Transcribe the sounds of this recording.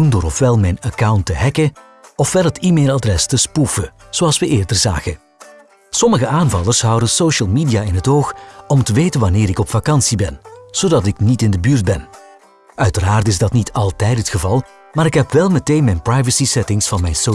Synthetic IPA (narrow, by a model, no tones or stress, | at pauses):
undʊːɾɔfʋɛlˠmɛjnakawntəɦɛkə | ɔfʋɛlˠətiːmeːlˠadrɛstəspufə | z̥oɑlˠsʋəʔɪːrdərza̰ːɣə | sɔməɣəaːnvɑlˠərsɦʌwdənsowʃəlˠmiːdijaːɪnɦətoːxɔmtəʋejtənʋanɪːɾɪkɔpfakɑnsibɛnz̥odɑt̬ɪknitɪndəbyːrt̚bɛn | œɥtəɾaːrtɪzdɑtnitʰɑlˠtɛjtɦətxəvɑlˠ | maːɾɪkɦɛpʋɛlˠmɛteːnmɛjnprajvəsisɛtɪŋsfɑnmɛjnso